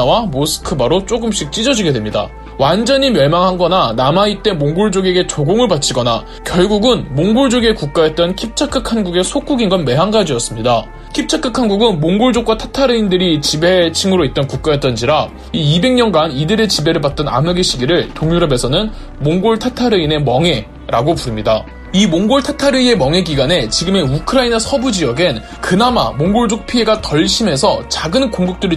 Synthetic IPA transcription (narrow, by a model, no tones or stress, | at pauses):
awamosʰɯ̥kʰɯbaɾot͡ɕ͈oɡɯmɕ͈ʰik̚t͡ɕ͈id͡ʑʌd͡ʑiɡe̞dwe̞mɲida̰ | wand͡ʑʌɲimjʌɭmaŋɦanɡʌnanamait͈e̞moŋɡuɭd͡ʑoɡe̞ɡe̞t͡ɕoɡoŋɯɭbat͡ɕʰiɡʌna | kjʌɭɡuɡɯnmoŋɡuɭd͡ʑoɡe̞kuk̚k͈ajet̚t͈ʌnkʰip̚t͡ɕʰak͈ʰɯkʰanɡuɡe̞sʰok͈uɡinɡʌnme̞ɦanɡad͡ʑiʌs͈ɯmɲida | kʰip̚t͡ɕʰak͈ʰɯkʰanɡuɡɯnmoŋɡuɭd͡ʑok͈̚watʰatʰaɾɯindɯɾit͡ɕibe̞t͡ɕʰiŋɯɾoit̚t͈ʌnkuk̚k͈ajʌt͈̚ʌnd͡ʑiɾa | iibe̞ŋɲʌnɡanidɯɾe̞t͡ɕibe̞ɾɯɭbat̚t͈ʌna̰mɯɡeɕʰiɡiɾɯɭtoŋɲuɾʌbe̞sʰʌnɯn | moŋɡoɭtʰatʰaɾɯine̞mʌŋe̞ | ɾaɡopuɾɯmɲida | imoŋɡoɭtʰatʰaɾɯie̞mʌŋe̞ɡiɡane̞t͡ɕiɡɯme̞ukʰɯɾainasʰʌbud͡ʑiʌɡɯn | kɯnama̰moŋɡoɭd͡ʑok̚pʰie̞ɡatʌɭɕʰime̞sʰʌt͡ɕaɡɯnkoŋɡuk̚t͈ɯɾi